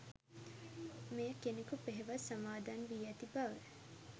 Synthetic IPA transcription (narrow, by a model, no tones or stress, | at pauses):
mejəkenekupeɦeʋasamaːd̪aːnʋiːɐt̪ibaʋe